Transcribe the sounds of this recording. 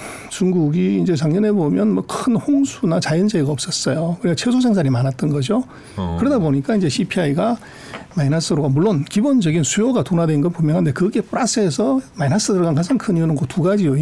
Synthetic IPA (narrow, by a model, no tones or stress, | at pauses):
t͡ɕuŋɡuɡiːnd͡ʑe̞t͡ɕaŋɲʌne̞bomjʌnmwʌkʰɯnɸoŋsʰunat͡ɕajɯnd͡ʑeiɡaʌp̚s͈ʌs͈ʌjokɯnik͈at͡ɕʰesʰosʰaŋsʰaɾimanat̚t͈ʌnɡʌd͡ʑo | kɯɾʌdaboɲik͈aind͡ʑe̞ɕʰipʰiaiɡa | majinas͈ɯɾoɡamuɭːonkibond͡ʑʌɡinsʰujoɡatonadwenɡʌnpomjʌŋɦande̞kɯɡe̞p͈uɾas͈ɯe̞sʰʌmajnas͈ɯdɯɾoɡankad͡ʑaŋkʰɯnijunɯnkotuɡad͡ʑijo